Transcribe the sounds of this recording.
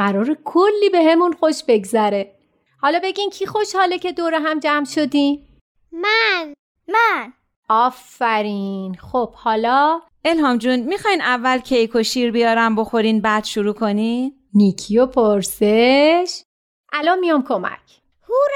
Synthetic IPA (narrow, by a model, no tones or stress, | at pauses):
ɢæɾɒːɾekʰolːiːbe̞ɦe̞munxoʃbe̞ɡzæɾe̞ | hɒːlɒːbe̞ɟimcʰixo̞ʃhɒːlecʰe̞d̪oːɾeɦæmd͡ʒæmʃo̞d̪i | mæn | mæn | ɒːfæɾinxob̥hɒːlɒː | e̞lhɒːmd͡ʒunmixɒːjnævːælcʰe̞jkʰoʃiːɾbijɒːɾæmbo̞xoɾiːnbæːd̪̥ʃuɾuːkʰoni | nicʰijopʰoɾseʃ | ʔælɔnmijɒmkʰomæ̰cʰ | huɾ